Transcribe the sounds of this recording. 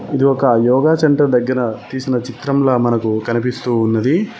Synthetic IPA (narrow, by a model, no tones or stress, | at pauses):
id̪iɔkɐjɔːɡaːsɐɳʈɐɾd̪ɐɡːɐɾɐt̪iːsinɐt͡ʃit̪ɾɐmloːmɐnɐkukɐnipist̪uːnːɐd̪i